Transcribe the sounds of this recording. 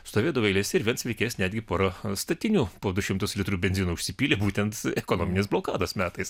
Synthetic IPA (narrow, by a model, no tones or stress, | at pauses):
st̪oːʋʲeːd̪ɐʋoɛɪlʲeːsʲɛɪɾʋʲiɛnsʋʲɛɪkʲɛːsnʲæːd̪ʲɡʲɪpoːɾɐst̪ɐt̪ʲɪnʲuːpoːd̪ʊʃʲɪmt̪ʊslʲɪt̪ɾuːbʲɛnʲzʲiːnoːʊʃʲsʲɪpʲiːlʲeːbuːt̪ʲɛnt̪ɛkoːnoːmʲɪnʲesblˠoːkɑːd̪oːsmʲæːt̪ɐɪs